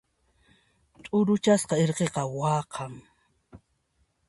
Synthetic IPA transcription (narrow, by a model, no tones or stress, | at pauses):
t̪ʼʊɾʊt͡ʃasqɑeɾqeqɑwɑːqʰɑŋ